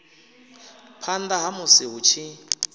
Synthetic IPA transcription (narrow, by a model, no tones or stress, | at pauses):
pʰandaɦamʊsɪɦʊt͡ʃʰɪ